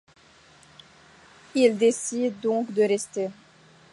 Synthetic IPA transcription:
ild̪esid̪ːɔ̃kd̪əʁɛst̪e

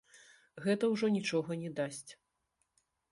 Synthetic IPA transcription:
ɣɛt̪ɐwʐɔnʲit͡ʂɔɣɐnʲɛd̪asʲt͡sʲ

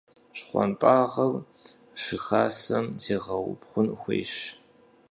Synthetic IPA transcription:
ɕχʷɔ̰ntʼaːʁɐr | ʂɨxaːsɐmzeːʁɐwʊ̰pχʷʊnxʷḛːʃ

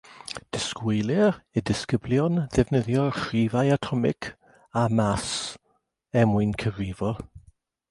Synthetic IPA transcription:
d̥ɪskwejlˠɪɾədɪskəbljɔnðɛvnəðjɔχrivajatʰɔmɪ̰kʰ | amas | ɛmʊɨnkʰəviːvɔ

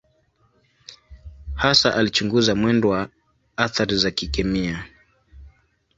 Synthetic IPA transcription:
hasaʔalit͡ʃuŋɡuzamwɛndɔwa | aθaɾizakikɛmia

